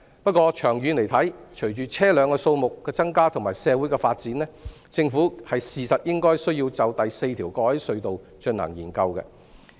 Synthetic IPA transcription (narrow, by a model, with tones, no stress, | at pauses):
pɐ˥t̚kɔː˧t͡ʃʰœː˨˩ŋjyː˨˧ne˨˩jt̪ʰɐ˨˥jt͡ʃʰɵ˨˩jt͡ʃyː˨˩t͡sʰɛː˥lœː˨˧ŋkɔː˧so˧wmʊ˨kːɛː˧t͡sɐ˥ŋkaː˥t̪ʰʊ˨˩ŋmaː˨˩jsɛː˨˧wu˨˥jkɛ˧faː˧t̚t͡siː˨˥nlɛː˥ | t͡sɪ˧ŋfuː˨˥hɐ˨jsiː˨sɐ˨t̚jɪ˥ŋkɔː˥jsɵ˥ɥjiː˧wt͡sɐ˨˧wt̪ɐ˨jse˧jt̪ʰiː˨˩wkɔː˧hɐ˨˥jsɵ˧ɥt̪o˨w | t͡ʃɵ˧nɐ̰˨˩ŋjiː˨˩nkɐ˧wkɛ̰˧